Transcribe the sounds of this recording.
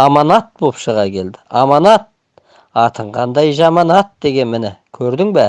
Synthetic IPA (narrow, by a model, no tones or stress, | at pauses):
ɑmɑnɑt̪̚bopʃəʁɑkʲʰe̞ld̪ɪɑmɑnɑt̪̚ | ɑt̪ʰəɴʁɑnd̪ɑjʒɑmɑnɑt̪̚d̪e̞ɡʲe̞nmɪnɪkʲʰɵɾd̪ɪŋbæ